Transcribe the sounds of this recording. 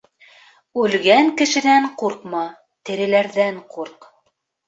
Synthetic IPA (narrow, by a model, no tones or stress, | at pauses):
ʉlɡæŋkɘ̆ʃɘ̆næɴquɾqmɑ | t̪ɘ̆ɾɘ̆læɾðæɴquɾq